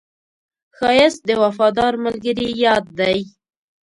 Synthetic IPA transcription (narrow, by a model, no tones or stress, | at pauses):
xɑjɪs̚d̪əwafɑd̪ɑɾməlɡəɾijɑd̪̚ːaj